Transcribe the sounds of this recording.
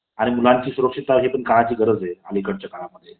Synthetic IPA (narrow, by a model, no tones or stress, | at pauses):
aɽ̃imulaɲt͡ɕiːsuɾəkʂit̪aʋɦepəɳkaɭat͡ɕiːɡʱəɾəd͡zealikəɽt͡ɕjakaɭaməd̪ʱːje